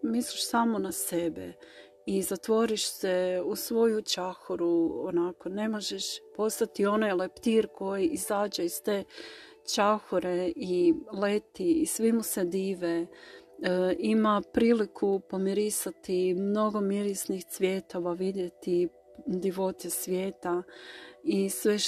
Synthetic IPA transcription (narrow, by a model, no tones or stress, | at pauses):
misuʃsaːmonase̞bḛ | izat̪ʋo̞ɾiʃseusʋo̞jut͡ʃaxoɾuo̰nakone̞mo̞ʒeʃpo̞st̪at̪io̞najlept̪iːɾko̞jiʔizaːd͡ʒeist̪e̞ː | t͡ʃaxoɾeilet̪iisʋimused̪iːʋe | imapɾiːlikʰupo̞miɾisat̪imno̞ɡo̞miɾisnixt̪sʋje̞ːt̪o̞ʋaʋid̪je̞t̪i | d̪iʋo̞t̪esʋje̞ːt̪a | isʋe